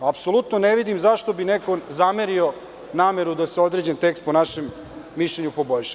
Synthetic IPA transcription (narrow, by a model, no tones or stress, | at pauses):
apsolˠut̪noneʋid̪imzaʃt̪o̞bineko̞zameɾio̞ | naːme̞ɾud̪aseo̞d̪ɾed͡ʑent̪e̞kst̪̚ponaʃemː | iʃʎeɲupo̞bo̞ʎʃa